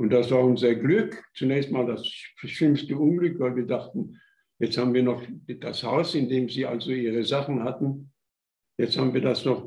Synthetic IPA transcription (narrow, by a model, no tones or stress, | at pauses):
ʔʊnt̚d̥asv̥aːɐʊnzɐɡlʏkt͡sunɛːçstmaːldasʃʏmstəʊnɡlʏkv̥aɪlviːɐdaχtn̩ | jɛt͡sthaːbm̩nviːɐnɔχd̥ashaʊsɪndeːmziːʔa̰lzoʔiːʁəzaχn̩hatn̩ | jɛt͡sthaːbn̩viːɐdasnɔχ